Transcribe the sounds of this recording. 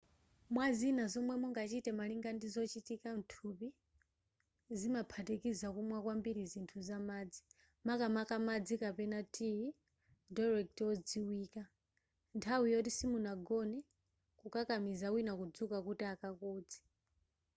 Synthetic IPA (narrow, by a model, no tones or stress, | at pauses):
mwazinazɔmwɛmuŋɡat͡ʃitɛmaliŋɡandizɔt͡ʃitikan̩tʰupi | zimapʰatekizakumwakwambiɾizintʰuzamaːd͡zi | makamakamad͡zikapɛnatʰʼi | daɾɛk̚tɔd͡ziwiːka | ntʰawijɔtisimunaɡɔnɛ | kukakamizawinakud͡zukakutiakakɔːd͡zi̥